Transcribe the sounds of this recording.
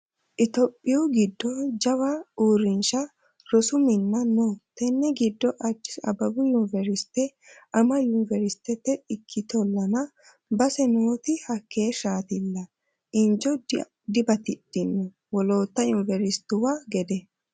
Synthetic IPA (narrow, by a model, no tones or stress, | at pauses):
ʔɪt̪ɔpʼːɪjɔɡɪd̪ːɔd͡ʒɐwɐuːɾɪnʃɐ | ɾɔsʊmɪnːɐnot̪ɛnːɛɡɪd̪ːɔʔɐdːɪsɐ̰bɐɡʊjʊnɪvɛɾɪst̪ɛ | ʔɐmɐjʊnɪvɛɾɪst̪ɛt̪ːɛɪkʰːɪt̪ɔlːɐnɐ | bɐsɛnoːt̪ɪhɐkːeːʃaːt̪ɪlːɐ | ʔɪnd͡ʒɔ | d̪ɪbɐt̪ɪd̥ːɪnːɛ | wɔlo̞ːt̪ːɐjʊnɪvɛɾɪst̪ʊwaɡɛd̪ɛ